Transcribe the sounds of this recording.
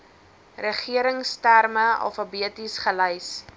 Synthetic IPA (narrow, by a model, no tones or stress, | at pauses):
rəχiəɾəŋstærməɐ̰lˠfɐbiətisχələjs